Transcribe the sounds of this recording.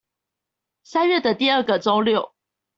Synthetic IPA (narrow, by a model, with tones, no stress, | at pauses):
sa˥˦nɥɛ˥˨d̪ə˨t̪i˥˧ə˥˩ɡə˨ʈ͡ʂo˥ʊljo˥˨˩ʊ